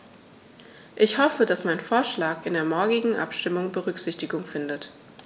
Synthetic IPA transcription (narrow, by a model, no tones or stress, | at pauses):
ʔɪçhɔfədasmaɪnfoːɐʃlaːkɪndeːɐmɔɐɡɪɡŋ̩ʔa̰pʃtɪmʊŋbəʁʏkz̥ɪçtɪɡʊŋfɪndət